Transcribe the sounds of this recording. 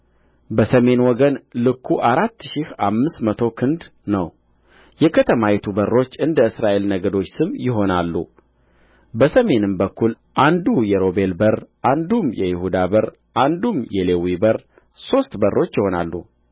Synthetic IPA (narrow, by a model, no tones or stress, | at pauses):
bəsəme̞nwɔɡənlɨkʰːuʔaɾat̪ːʃihamːɨst̪mət̪ʰo̞kʰɨnd̪ | nəw | jɛkʰət̪ʰəmajɛt̪ʰubərːo̞t͡ʃːɨnd̪əɨsɾaʔe̞lnəɡəd̪o̞t͡ʃːsɨmːjɪɦo̞nalːṵ | bəsəme̞nɨmbəkʰːul | ʔand̪ujɛɾo̞be̞lbəɾʔand̪umjɛjɪhud̪abəɾ | ʔand̪umjɛlewibəɾ | so̞st̪bərːo̞t͡ʃːjɪho̞na̰lːṵ